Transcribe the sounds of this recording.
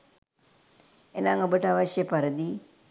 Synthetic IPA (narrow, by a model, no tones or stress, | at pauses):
enaŋobəʈəaʋaʃjəpaɾəd̪iː